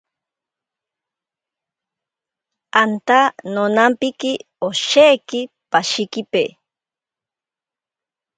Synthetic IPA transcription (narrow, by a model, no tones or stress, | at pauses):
ant̪anonampiki | oʃeki | paʃikipe